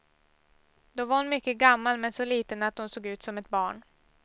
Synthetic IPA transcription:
d̪ɔvaɾhʊnmʏkːəɡamːalmɛnsɔliːt̪ənat̪̚hʊnsoːɡʉ̟ːt̪sɔmɛt̪̚bɑːɳ

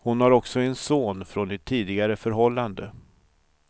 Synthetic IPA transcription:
hʊnhaɾɔksɔɛnsoːnfɾonɛt̪ʰːiːd̪ɪɡaɾəfœɾɦɔlːand̪ə

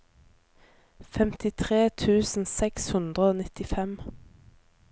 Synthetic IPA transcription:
fɛmt̪ɪt̪ʰʁeːt̪ʰʉːsn̩sɛkshʉnd̪ʁəoːnɪt̪ɪfɛm

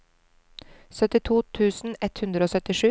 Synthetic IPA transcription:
sœt̪ɪt̪ʰuːt̪ʰʉːsn̩ɛt̪hʉnd̪ɾəoːsœt̪ɪʃʉː

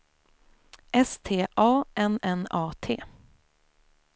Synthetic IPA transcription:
ʔɛst̪ʰeːʔɑːʔɛnɛnɑːt̪ʰeː

